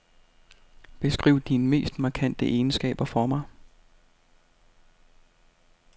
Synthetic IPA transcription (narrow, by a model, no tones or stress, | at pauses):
b̥e̝sɡ̥ʁḭʊ̰d̥inəme̝̰ːsd̥mɑ̈ːkʰæn̰d̥əʔe̝ːnsɡ̥ɛ̰ːb̥ɐfɒmɑ̈ɪ